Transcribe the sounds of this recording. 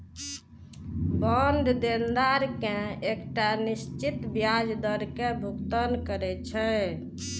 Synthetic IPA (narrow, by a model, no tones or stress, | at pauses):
bənd̪ʱd̪end̪aɾkẽekʈanist͡ʃit̪bjad͡ʒd̪əɾkẽbʱukt̪ənkəɾɛt͡ʃʰɛ